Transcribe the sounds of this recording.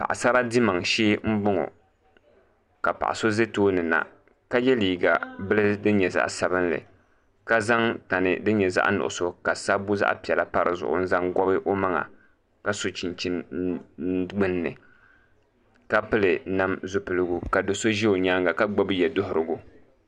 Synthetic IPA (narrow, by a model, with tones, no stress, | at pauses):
pa̰˨ʔa̰˨sa˦ba˦di˦ma˨ŋʃeː˦m̩˦bʊ˦ŋo̰˨ | ka˨pa̰˨ʔa̰˨so˦ze˦toː˦nɨ˨na̰˨ | ka˦jɛ˦liː˨ɡa̰˨bɨ˦lɨ˦dɨ˦ɲɛ˨za̰˦ʔsa˨bɨ˦n˦lɨ̰˨ | ka˦za˦ŋta˨nɨ̰˨dɨ˦ɲɛ˨za̰˦ʔnʊ̰˨ʔʊ̰˨so˦ka˨sa˦bu˦za̰˦ʔpi˨ɛ˨la̰˦pa˦ɾʔɨ̰˨zʊ̰˨ʔʊ̰˨n̩˦za˦ŋɡɔ˦bɨ˦ʔo˦ma˦ŋa̰˨ | ka˦so˨t͡ʃi˨nt͡ʃi˦n | ɡ͡bɨ˦nː˦ɨ̰˨ | ka˦pɨ˦lɨ˨na˦mzʊ˦pɨ˨lɨ˦ɡu˦ka˨do˨so˦ʒi˦o˨ɲaː˦ŋɡa˨ka˦ɡ͡ba˦bɨ˦jɛ˨dʊ˦ɦʊ˨ɾɨ˨ɡu˦